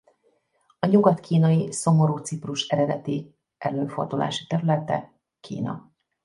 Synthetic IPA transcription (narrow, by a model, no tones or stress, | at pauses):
ɒɲuɡɒt̪kʰiːnɒjiso̞mo̞ɾuːt̪sipruʃɛɾɛd̪ɛt̪i | ʔɛløːnfo̞rd̪ulʔa̰ːʃi̥t̪ɛɾylɛt̪ɛ̰ | kʰḭːnɒ̰